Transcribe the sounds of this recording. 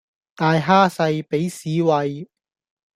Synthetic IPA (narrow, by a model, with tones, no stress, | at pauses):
t̪aː˨˧jɦaː˥sɐ˧jpe˨˥jsiː˨˧wɐ˨j